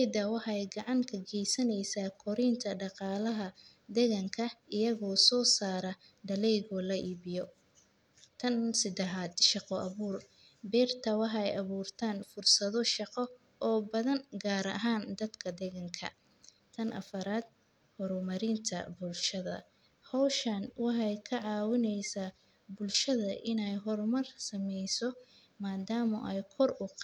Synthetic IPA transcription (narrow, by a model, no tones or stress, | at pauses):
ɛjd̪ɐwɑħɑɛjɡɑʕɑŋkʰɐɡɛjsɐnɛjsaːkʰɔɾɪnt̪ʰɐɖɑqɑːlɐɦɐ | d̪ɛɣɐŋkʰɐʔɪjɐɣɔːsɔːsaːɾɐ | ɖɐlɛjɣɔːlɐʔiːβɪjɔ | t̪ʰɐnsɪd̪ɛɦaːd̪ʃɑqɔʔɐβuːr | bɛːrt̪ʰɐwɑħɑɛjʔɐβuːrt̪ʰaːnfʊrsɐðɔʃɑqɔ | ʔɔːbɐðɐnɡaːɾɐ̰ɦaːnd̪ɐd̪kʰɐd̪ɛɣɐŋkʰɐ̰ | t̪ʰɐnʔɐ̰fɐɾaːd̪̚ | hɔɾmɐɾɪnt̪ʰɐ̰bʊlʃɐðɐ̰ | hɔwʃɐnwɑħɑjkʰɐʕɑːwɪnɛjsaː | bʊlʃɐðɐʔɪnɛjɦɔɾmɐrsɐmɛjsɔ | maːd̪aːmɔ̰ʔɛjkʰɔrʊq